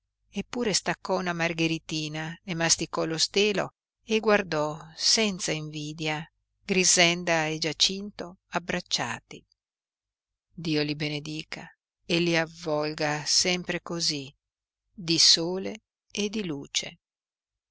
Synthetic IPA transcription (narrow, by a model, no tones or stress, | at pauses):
epːuːɾest̪akːɔunamarɡeɾit̪iːnaemːast̪ikɔlost̪eːlo̰ | eɡward̪ɔsɛnt̪saiɱviːd̪ja | ɡ̥ɾizɛnd̪aed͡ʒat͡ʃint̪oabːɾat͡ʃːa̰ːt̪i | d̪iːolibened̪iːka | elːiavːɔlɡasɛmpɾekozi | d̪isoːle | ed̪iluːt͡ʃḛ